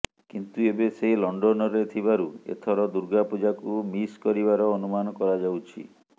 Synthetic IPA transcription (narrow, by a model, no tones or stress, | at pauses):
kint̪uebeseilɔɳɖɔnɔɾet̪ʰibaɾuḛt̪ʰɔɾɔd̪uɾɡapud͡ʒakumiskɔɾibaɾɔːnumanɔkɔɾad͡ʒawt͡ʃʰḭ